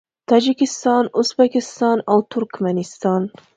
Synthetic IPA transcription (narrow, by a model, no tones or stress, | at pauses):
t̪ʰɑd͡ʒɪkʲɪst̪ɑnʊzbækʲɪst̪ɑnʔawt̪ʰʊɾkʲmanɪst̪ɑn